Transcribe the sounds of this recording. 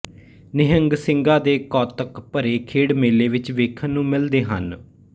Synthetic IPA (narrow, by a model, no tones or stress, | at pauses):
nɪɦəŋɡsɪŋɡaːd̪eːkɔːt̪əkpəɾeːkʰeːɽmeːleːʋɪt͡ʃʋeːkʰənːũːmɪld̪eːɦə̰n